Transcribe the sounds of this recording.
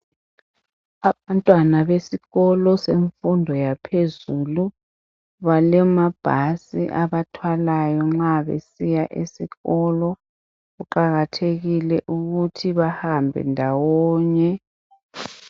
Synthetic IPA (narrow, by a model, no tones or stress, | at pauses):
aβantʼwanaβesiɣɔlɔseɱfundʱɔjapʰezuːlu | βalɛmab̥ʱasḭʔaβatʰwalajɔŋ͡ǁaβḛsijaʔisiɣɔlɔ | ɣuǃaɣatʰeɣilɛʔuɣutʰiβahambʱɛ̰ndʱawɔːɲɛ